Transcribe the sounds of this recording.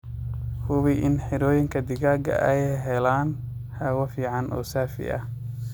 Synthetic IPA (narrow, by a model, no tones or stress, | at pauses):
hʊβɪʔɪnħɪɾɔːjɪŋkʰɐd̪ɪɣaːɡɐ̰ʔɛjɦɛlaːn | hawɐfiːʕɑnʔɔ̰ːsaːfɪ̰ʔɐ̰